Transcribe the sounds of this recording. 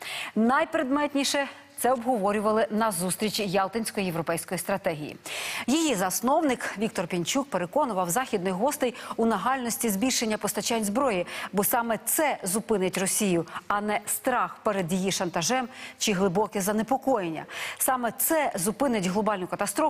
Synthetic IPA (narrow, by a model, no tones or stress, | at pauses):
nɐjpɾed̪mɛt̪ʲnʲiʃɛt̪sɛɔbɦɔʋɔɾʲʊʋɐlˠɪnɐzust̪ɾʲit͡ʃijɑlˠt̪ɐnʲsʲkɔjijewɾɔpɛjsʲkɔjist̪ɾɐt̪ɛɦʲḭjḭjijizɐsnɔwnɪkʋʲik̚t̪ɔrpʲinʲt͡ʃuk̚peɾekɔnʊʋɐwzɑxʲid̪nɔjɦɔst̪ejʊnɐɦɑlʲnɔsʲtʲizʲbʲilʲʃe̞nʲːɐpɔst̪ɐt͡ʃanʲzbɾɔjibɔsɑmɛt̪sɛzʊpɪnɪtʲrɔsʲijʊɐnɛst̪ɾɑxpɛɾed̪jijiʃɐnt̪ɐʒɛmt͡ʃɪɦlˠɪbɔkɪzɐnepɔkɔjenʲːɐ̰sɑmɛt̪sɛzʊpɪnɪtʲɦlˠɔbɑlʲnʊkɐt̪ɐst̪ɾɔ